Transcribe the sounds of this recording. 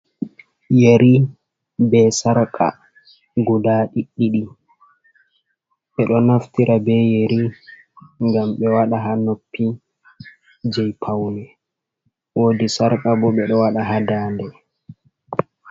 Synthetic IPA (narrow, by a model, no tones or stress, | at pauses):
jeɾi | bɛsaɾkʼa̰ | ɡudaːɗiɗːiɗi | ɓɛɗɔnaftiɾʔabɛjeɾi | ŋɡamɓɛwaɗaɦanopʰːi | d͡ʒɛjpʰawnɛ | wodisaɾkʼabɔɓɛɗɔwaɗaɦadaːndɛ